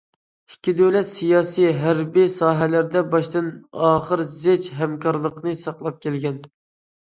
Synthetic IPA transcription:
ikʲʰːid̪øwlɛt̪sijɑːsijɦæɾbisɑːɦɛlæɾd̪ɛbɑʃt̪ɨnɑːχəɾzet͡ʃɦæmkʰɑɾlˠəqnɨsɑqlˠɑp̚kʲʰɛlɡʲɛn

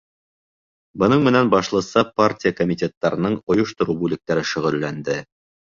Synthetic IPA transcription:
bɤ̆nɤɴmɘ̆nænbɑʃlˠɤ̆sɑpartʲijəkomʲitʲet̪ːɑɾɤ̆nɤɴŏjŏʃt̪ŏɾubʉlɘ̆k̚t̪æɾɘʃɵ̆ʁɘ̆lːænd̪ɘ

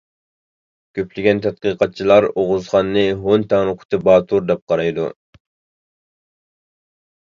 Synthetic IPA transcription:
kʲʰøplɪɡʲɛnt̪ʰɛt̪̚qəqʰɑt̪̚t͡ʃʰilˠɑɾoʁʊzχɑnːɨɦont̪ʰɛŋnɨqʰʊ̥t̪ʰɨbɑːt̪ʰuɾd̪ɛp̚qʰɑɾɑjd̪ṵ

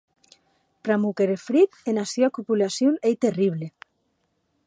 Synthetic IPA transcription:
pɾamukeɾefɾit̪enasjoakupulasjonejt̪eriβ̞le

